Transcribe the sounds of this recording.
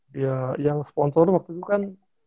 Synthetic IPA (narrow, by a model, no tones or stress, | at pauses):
jajaŋsə̥pɔnsɔrwak̚t̪ut̪ukan